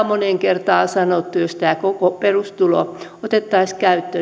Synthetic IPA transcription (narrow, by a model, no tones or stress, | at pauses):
moneŋkert̪ɑːsɑnot̪ːujost̪æːkokoperust̪ulo̰ot̪et̪ːɑiskæyt̪ːø